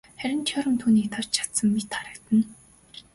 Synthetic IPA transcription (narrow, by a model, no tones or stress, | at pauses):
χæɾʲɪ̆nt͡ɕʰœɾə̆mt̪ʰuːniːkt̪ʰart͡ɕt͡ɕʰḁt̪sə̆mmit̪χaɾə̆kt̪ə̆n